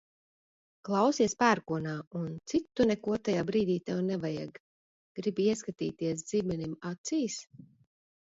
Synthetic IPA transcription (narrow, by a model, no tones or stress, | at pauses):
klˠawsiɛspæːɾkuɔnaːunt̪sit̪ːunɛkuɔt̪ajaːbɾiːd̪iːt̪awnɛvaja̰ɡ | ɡ̥ɾibiɛskat̪ḭːt̪iɛs̬d̪ziːmɛnimat̪siːs